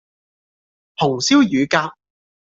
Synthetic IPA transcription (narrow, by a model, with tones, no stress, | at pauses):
pʰʊ˨˩ŋsi˥wjyː˨˧kaː˧p̚